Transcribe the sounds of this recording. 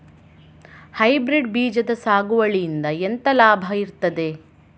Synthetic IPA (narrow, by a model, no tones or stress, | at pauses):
hɐjbɾiɖbiːd͡ʒɐd̪ɐsaːɡuʋɐɭijind̪ɐent̪ɐlaːbʱɐiɾt̪ɐd̪e̞